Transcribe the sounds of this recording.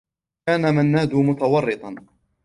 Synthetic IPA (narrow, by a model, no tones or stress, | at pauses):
aːnamanːaːd̪ʊmʊt̪awɑrːɨt̪ˤɑn